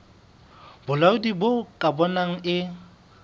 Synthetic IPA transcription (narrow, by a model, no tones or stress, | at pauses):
bʊlaʊdibokʼabɔnaŋ̩ʔɪ